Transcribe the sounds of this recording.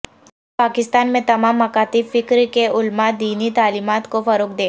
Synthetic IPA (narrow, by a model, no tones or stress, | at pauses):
paːkɪst̪aːnmẽt̪ɐmaːmːɐkaːt̪ifɪkɾkeʊlmad̪iːnit̪aːliːmaːt̪kofɐɾoːk̚d̪eː